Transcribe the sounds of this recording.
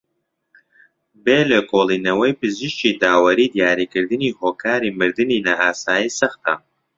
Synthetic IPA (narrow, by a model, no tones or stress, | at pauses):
beːlekoːlˠiːnɐwɐjpɨzɨʃt͡ʃid̪aːwɐɾiːd̪jaːɾikɨɾd̪ɨniːɦoːkʰaːɾiːmɨɾd̪ɨniːnaʔaːsaːjiːsɐxt̪ɐ̰